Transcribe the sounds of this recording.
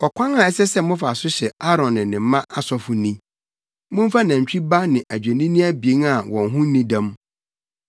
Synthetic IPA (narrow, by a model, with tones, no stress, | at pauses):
ɔ˨kʰʷã˦ŋa˨ɛ˦sɛ˦sɛ˦mʊ̃˦fa˨sʊ˦ɕɛ˨a˦ɾɔ̃˨nːɪ̃˨nɪ̃˨m̩˦mã˦ʔa˦˨sɔ˦fʊ˨nĩ˦ | mʊ̃˦ɱ̩˦fa˦nã˨ɲ˨t͡ɕᶣi˦ba˦nɪ̃˨ʔæ˨d͡ʑᶣe˨nĩ˦nĩ˦æ˦bi˨e˦ŋa˨wɔ̃˨nɦʊ̃˦n̩˦nĩ˦dã˦m